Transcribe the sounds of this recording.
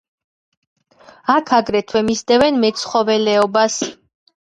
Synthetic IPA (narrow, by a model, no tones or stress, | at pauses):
akʰaɡɾɛt̪ʰwɛmisd̪ɛvɛnmɛt̪sʰχɔvɛlɛɔbas